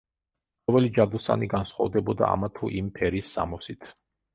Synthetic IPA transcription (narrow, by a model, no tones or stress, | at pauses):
vɛlid͡ʒad̪usa̰niɡansχwa̰vd̪ɛbɔd̪a̰a̰mat̪ʰuʔimpʰɛɾisːa̰mɔsit̪ʰ